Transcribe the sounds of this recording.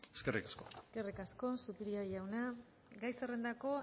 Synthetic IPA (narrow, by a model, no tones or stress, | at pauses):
eskerikaskoeske̞rikasko̞supiɾiajawna | ɡajsere̞nd̪ako̞